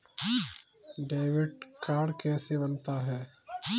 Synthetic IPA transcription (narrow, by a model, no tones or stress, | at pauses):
ɖeːʋɪɖkaːɽkɛːsebɐnt̪aɦɛː